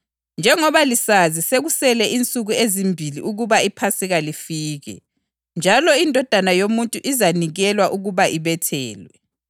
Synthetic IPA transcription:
nd͡ʒʱɛŋɔβalisaziseɣusɛlɛʔint͡sʼuɣuezimbʱilḭʔuɣuβaipʰasiɣalifiːɣɛ̰ | nd͡ʒʱalɔindʱɔd̥ʱanajomuntʼuʔizaniɣɛlwaʔuɣuβaʔiβɛtʰɛ̰ːlwɛ

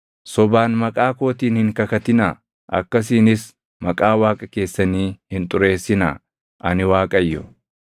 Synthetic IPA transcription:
sɔbaːnmɐkʼaːkoːt̪iːnhɪŋkɐkɐt̪ɪnɐ | ʔɐ̰kːɐs̬iːnɪs | mɐkʼaːwaːkʼɐke̞ːsːɐniːhɪnt̪ʼʊɾe̞ːsːɪna̰ | ʔɐnɪwaːkʼɐjːɔ̰

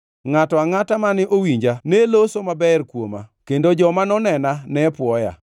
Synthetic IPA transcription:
ŋatɔaŋatamanɪʔowiɲd͡ʒanelosomabɛrkwoma̰kendod͡ʒɔmanɔnɛnanɛpwɔja̰

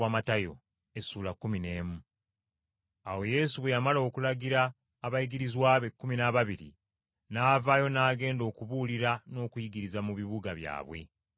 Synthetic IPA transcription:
amatajo̞̰ | e̞suːlakːumine̞ːmu | awe̞je̞ːsuβwe̞jamalo̞ːkulaɡiɾaː | βajiɡiɾizwaːβekːuminaβaβiɾḭ | naːvajo̞naːɡe̞ːndo̞ːkuβuliɾano̞ːkujiɡiɾizamuβiβuɡaβja̰ːβwe̞̰

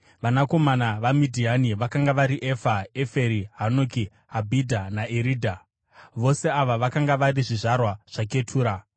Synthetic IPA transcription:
ʋanako̞manaʋamidʱianiʋakaŋɡaʋaɾiʔefaefeɾiɦanoki | ɦabʱidʱanaʔeɾiːdʱa | ʋo̞se̞aʋaʋakaŋɡaʋaɾiʐiʐarwaʐ̥ak̬e̞tʰuːɾa

